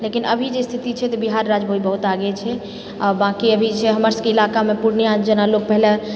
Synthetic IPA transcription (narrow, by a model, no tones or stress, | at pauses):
lekinəbʱid͡ʒest̪ʰit̪it͡ʃʰɛt̪ɔbiɦaɾːad͡ʒbʱoibəɦut̪aɡɛt͡ʃʰɛ | ɔɾbãkiəbʱit͡ʃʰɛɦəməɾskeilakamepuɾnjad͡ʒənalok̚pəɦlə